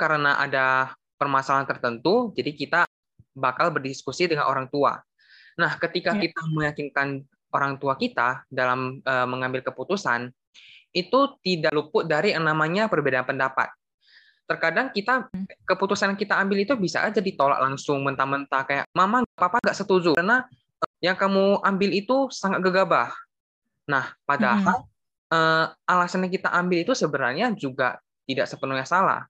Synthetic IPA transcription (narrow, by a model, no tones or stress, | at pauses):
kaɾənaʔa̰da | pərmasalant̪ərt̪ənt̪ud͡ʒadikit̪a | bakalbərdiskusidəŋa̰nʔo̰ɾaŋt̪ua̰ | nahkət̪ikakit̪aməjakinkan | oɾaŋt̪uakit̪adalaməːmːəŋambɪlkəput̪usan | ʔit̪ut̪idaʔlupʊt̪̚daɾinamaɲapərbedaanpəndapa̰t̪̚ː | ərkadaŋkit̪akəput̪usanjaŋkit̪aːmbɪlit̪ubisa̰d͡ʒadit̪ola̰ʔlaŋsʊŋmənt̪amənt̪akaja̰ʔmamaŋɡaʔpapaŋɡaʔsət̪ud͡ʒuna | jaŋkamuambɪlit̪usaŋat̪̚ɡəɡabah | nahpadaɦal | əʔalasanɲakit̪a̰ʔambɪlit̪usəbəɾa̰rɲad͡ʒuɡa̰ | t̪idaʔsəpənuhɲasala̰h